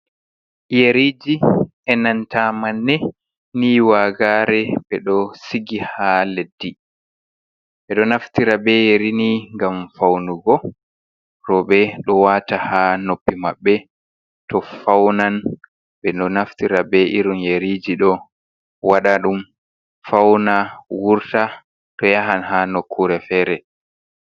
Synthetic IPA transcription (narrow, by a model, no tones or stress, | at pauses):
jeɾid͡ʒi | ɛnantamanːɛ | niːwaɡaːɾɛɓɛɗɔsiɡihaledːi | ɓɛɗɔnaftiɾabɛjeɾiniŋɡamfawnuɡɔ | ɾɔɓɛɗɔwatahanopːimaɓːɛ | tɔfawnan | ɓɛnɔnaftiɾabɛʔiɾunjeɾid͡ʒiɗɔ | waɗaɗum | fawnawuɾta | tɔjaɦanɦanokʰːuɾɛfɛːɾɛ